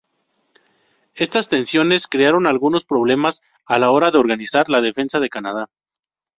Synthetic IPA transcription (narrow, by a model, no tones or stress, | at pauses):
e̞st̪ast̪e̞nsjo̞ne̞skɾe̞aɾo̞nalɣuno̞spɾo̞βle̞mas | alao̞ɾaðe̞o̞ɾɣanisaɾlað̞e̞fe̞nsað̞e̞kanað̞a